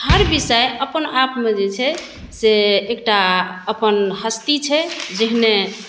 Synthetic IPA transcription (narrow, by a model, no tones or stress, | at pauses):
həɾbisəjəpənapmed͡ʒet͡ʃʰɛ | seːk̚ʈaəpənhəst̪it͡ʃʰɛd͡ʒeɦne